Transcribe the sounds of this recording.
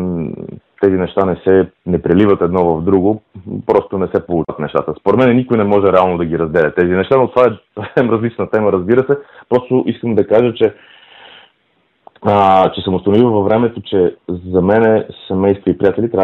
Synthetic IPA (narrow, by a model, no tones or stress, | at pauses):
t̪ɛzinɛʃt̪anɛsɛnɛpɾɛlivət̪ɛd̪nɔvɐvd̪ɾuɡopɾɔst̪onɛsɛpolˠut̪nɛʃt̪a̰t̪əspoɾɛt̪mɛnɛnikʊjnɛmɔʒɛɾɛalˠnod̪ɐɡʲiɾɐzd̪ɛlʲɛt̪ɛzinɛʃt̪anot̪ovaɛsɐfsɛmɾəzlit͡ʃnət̪ɛməɾəzbiɾəsɛpɾɔst̪oʔiskəmd̪ɐkaʒət͡ʃɛ | t͡ʃɛsɐmʊst̪ɐnovivəvɐvɾɛmɛt̪ot͡ʃɛzɐmɛnɛsɛmɛjst̪voipɾijat̪ɛlʲit̪ɾʲa